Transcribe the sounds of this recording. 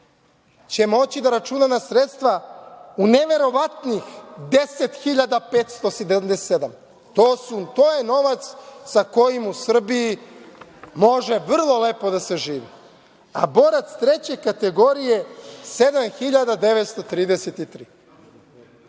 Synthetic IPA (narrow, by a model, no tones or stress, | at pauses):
t͡ɕe̞mo̞t͡ɕid̪aɾat͡ʃunanasɾet̪st̪ʋauneʋe̞ɾo̞ʋat̪nixd̪e̞se̞t̪xiʎad̪apeːt̪st̪o̞sed̪aamd̪esed̪am | t̪oːsut̪oːje̞no̞ʋat̪ssako̞jimusr̩biji | mo̞ʒe̞ʋr̩lˠo̞lepo̞d̪ase̞ʒiːʋi | abo̞ɾat̪st̪ɾe̞t͡ɕe̞kat̪e̞ɡo̞ɾije̞se̞d̪amxiʎad̪ad̪e̞ʋet̪st̪ot̪ɾiːd̪eset̪it̪ɾiː